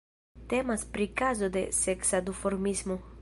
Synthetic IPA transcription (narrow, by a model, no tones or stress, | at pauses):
t̪emaspɾikazod̪eseksad̪ufoɾmizmo